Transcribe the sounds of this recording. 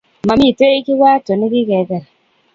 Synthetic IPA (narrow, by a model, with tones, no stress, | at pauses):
ma˨mi˦˨te˦i˦ki˦wa˦to˨ni˦ki˦ke˨˦kɛ˨ɾ